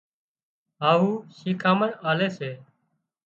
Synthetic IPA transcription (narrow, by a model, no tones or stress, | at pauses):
ɦaːɦuːʃiːkʰaːməɳaːleːseː